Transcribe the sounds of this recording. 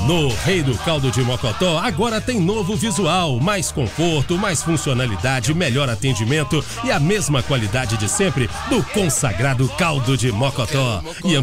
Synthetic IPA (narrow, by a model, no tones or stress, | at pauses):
nʊhejd̪ʊkawd̪ʊd͡ʒɪmɔkɔt̪ɔaɡɔɾɐt̪ẽj̃novʊvizuawmajskõfoɾt̪ʊmajsfũsionalid̪ad͡ʒɪmeʎɔɾat̪ẽd͡ʒimẽnt̪ʊ | ɪɐmezmɐkwalid̪ad͡ʒɪd͡ʒɪsẽmpɾɪ | d̪ʊkõsa̰ɡɾad̪ʊkawd̪ʊd͡ʒɪmɔkot̪ɔ | ɪɐ̃